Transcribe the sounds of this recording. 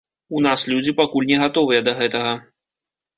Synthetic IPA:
unaslʲud͡zʲipakulʲnʲɛɣat̪ɔvɨjɛd̪ɐɣɛt̪ɐɣɐ

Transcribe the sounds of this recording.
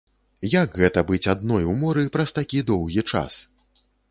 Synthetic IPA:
jakɣɛt̪ɐbɨt͡sʲad̪̚nɔjumɔɾɨpɾɐst̪akʲid̪ɔwɣʲit͡ʂa̰s

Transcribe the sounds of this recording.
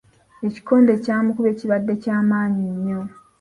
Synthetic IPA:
e̞ci̥ko̞ːndecaːmukuβe̞ːciβadːecaːmaːɲiɲːo

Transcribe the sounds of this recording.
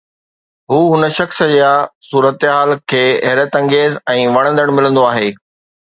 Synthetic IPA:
ɦuːɦʊnəʃɐxsd͡ʑjasuːɾət̪ɦaːlkʰeːɦɛɾət̪ɐ̃ŋɡeːzɛ̃ːʋɐɽ̃ə̃nd̪əɽ̃mɪlə̃nd̪oaːɦeː

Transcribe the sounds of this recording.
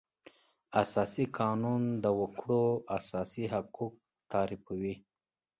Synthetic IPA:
asɑːsikʰɑːnund̪əwəkɽoasɑːsiɦakuk̚ | t̪ɑːɾifwi

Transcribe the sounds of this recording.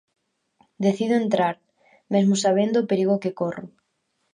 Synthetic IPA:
d̪eθiðoent̪ɾaɾ | mezmʊsaβ̞end̪opeɾiɣokekorʊ̰

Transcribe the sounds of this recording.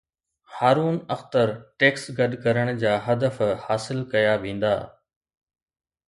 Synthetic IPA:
haːɾuːnɐxt̪əɾʈeːksɡɐɗkɐɾəɽ̃d͡ʑaːɦɐd̪əfhaːsɪlkɐjaʋẽːnd̪a̰ː

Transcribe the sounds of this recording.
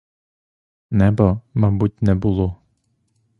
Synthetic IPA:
nɛbɔmabut̪nɛbulˠu

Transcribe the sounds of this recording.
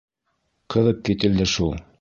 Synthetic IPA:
qɤ̆ðɤp̚kit̪ɘ̆ld̪ɘʃulˠ

